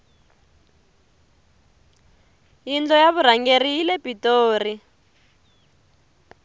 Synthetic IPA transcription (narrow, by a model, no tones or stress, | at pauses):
jind͡ɮɔjaβuɾ̤aŋɡerijilepʼitoːri